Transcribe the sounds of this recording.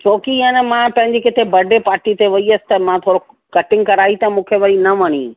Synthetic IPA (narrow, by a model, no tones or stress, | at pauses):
t͡ɕoːkianɛmãpɐ̃ɦɪ̃ɲd͡ʑikɪt̪ʰebɐɖʱepaːɾʈit̪eʋɐiəsɪ̥̆t̪ɐmãt̪ʰoːɾo | kɐʈɪ̃ŋɡkɐɾaːit̪ɐmũːkʰeʋɐɾinɐʋɐñi